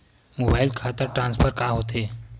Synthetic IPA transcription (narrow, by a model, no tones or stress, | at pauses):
mobailkʰat̪əɾʈɾãnspʰəɾkaɦot̪e